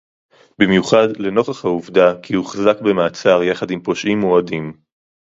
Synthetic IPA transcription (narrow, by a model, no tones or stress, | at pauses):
bimjuχadle̞no̞χaχhauvdakihuχazakbe̞maːt͡saʁjaχadimpo̞ʃʔimoadim